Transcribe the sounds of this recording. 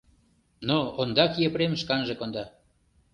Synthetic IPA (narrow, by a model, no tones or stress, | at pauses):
noond̪ɑkjepɾemʃkɑnʒĕkond̪ɑ